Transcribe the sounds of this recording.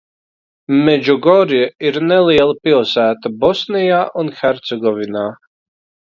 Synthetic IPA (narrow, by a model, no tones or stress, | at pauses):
med͡ʒuɡɔɾiiɾnɛlˠiɛlˠpilˠsæːt̪abɔsnijaːʔunxɛɾt̪sɛɡɔvinaː